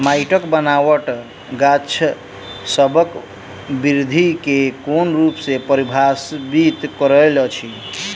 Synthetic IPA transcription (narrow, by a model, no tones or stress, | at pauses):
majʈəkbənawəʈ | ɡat͡ʃʰ | səbək | biɾd̪ʱikekonɾupsepəɾibʱasbit̪kəɾəjlɔt͡ʃʰi